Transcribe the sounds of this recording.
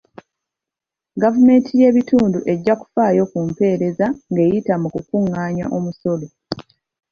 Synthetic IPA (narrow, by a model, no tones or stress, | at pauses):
ɡavume̞ːntʰije̞βituːnduʔe̞ɟːaku̥faːjo̞kumpe̞ːɾe̞zaŋɡe̞ːjitamukukuŋːaːɲa̰ʔomuso̞lo̞